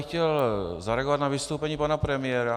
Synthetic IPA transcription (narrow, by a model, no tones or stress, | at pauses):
xcɛlzaɾɛaɡovat̪navɪst̪owpɛɲiːpanapɾɛmɪjɛːɾa